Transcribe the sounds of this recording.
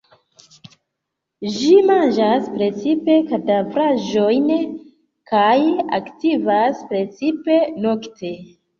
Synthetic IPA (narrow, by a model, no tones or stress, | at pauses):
ʒimand͡ʒaspɾe̞t͡sipe̞katavɾaʒo̞jn | kaja̰ktivaspɾe̞t͡sipe̞noktʰe̞